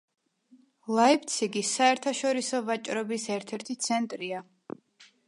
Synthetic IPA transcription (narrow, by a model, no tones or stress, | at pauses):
lˠaip̚ʰt̪sʰiɡisːaɛɾt̪ʰaʃɔɾisɔvat͡ʃʼɾɔbisɛɾt̪ʰɛɾt̪ʰit̪sʰɛnt̪ʼɾia